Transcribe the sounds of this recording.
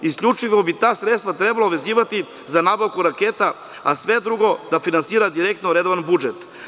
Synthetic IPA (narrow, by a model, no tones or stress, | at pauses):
iskʎʲut͡ʃiʋobit̪aːsɾet̪st̪vat̪ɾebaloʋe̞ziːʋat̪i | zanaːbaʋkuɾakeːt̪a | a̰sʋe̞d̪ɾuɡo̞d̪afinansiːɾad̪iɾek̚t̪noɾed̪oʋanbud͡ʒet̪